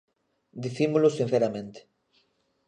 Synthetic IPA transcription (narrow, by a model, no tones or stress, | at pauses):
d̪iθimʊlʊsin̟θeɾamẽnt̪e̥